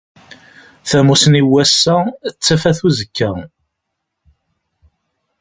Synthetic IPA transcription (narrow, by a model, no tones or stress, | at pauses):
θæmusniwæsːæt͡sːæfæθuzəkːæ